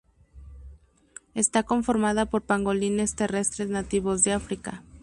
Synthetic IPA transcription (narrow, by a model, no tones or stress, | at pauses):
e̞st̪ako̞ɱfo̞ɾmaðapo̞ɾpaŋɡo̞line̞st̪e̞re̞st̪ɾeznat̪iβo̞zðeafɾika̰